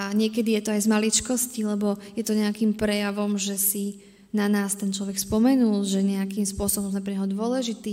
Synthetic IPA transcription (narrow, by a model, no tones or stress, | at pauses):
aɲɪɛkɛd̪ijɛt̪ɔajzmalit͡ʃkɔscilɛbɔjɛt̪ɔɲɛakimpɾɛjaʋɔmʒɛsi | nanaːst̪ɛnt͡ʃlɔʋɛkspɔmɛnulʒɛɲɛakimspʊɔsɔbɔmzmɛpɾɛɲɦɔd̪ʊɔlɛʒit̪iː